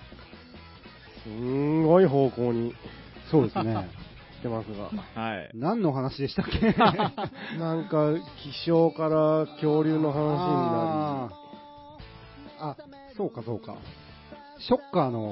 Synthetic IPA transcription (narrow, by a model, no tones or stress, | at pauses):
sɨŋɡo̞iɦo̞ːko̞ːɲ̟i | so̞ːd̪e̞sɨne̞ | t̪ːe̞masɨɡa̰nãnːo̞ɦanaɕid̪e̞ɕi̥t̪akːe | nãŋkakʲiɕo̞ːkaɾakʲo̞ːɾʲɨːno̞ɦanaɕia | a | so̞ːkaso̞̰ːka̰ | ɕo̞kːaːno̞